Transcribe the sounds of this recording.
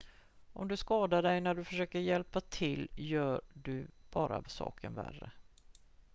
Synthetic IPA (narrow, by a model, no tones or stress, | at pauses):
ʔɔmd̪ɵskɑːd̪aɖɛjnæɖɵfœʂøːkəɾjɛlpat̪ʰɪlːjœːɖɵb̥ɑːɾa̰vsɑ̰ːkʰənvæ̰rːə